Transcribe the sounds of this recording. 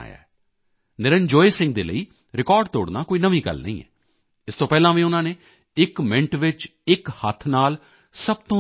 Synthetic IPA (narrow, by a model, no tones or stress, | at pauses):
a̰ːja̰ːɛ | nɪɾənd͡ʒoːeːsɪ̃ŋɡ̚d̪ḛːlə̰iː | ɾɪkɔːɾɖ̚t̪o̰ːɽnaːkoːiːnəʋĩːɡə̰lnə̰ḭ̃ːɛ̰ː | ɪst̪õːpɛːlãːʋiːʊnãːneː | ɪkmɪ̃ɳʈʋɪt͡ʃ | ɪkhət̪ʰnaːl | səb̚t̪õː